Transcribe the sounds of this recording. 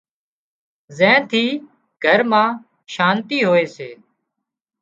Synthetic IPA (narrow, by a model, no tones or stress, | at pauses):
zɛ̃ːnt̪ʰiː | ɡʱəɾmãː | ʃaːnt̪iːɦoːeːseː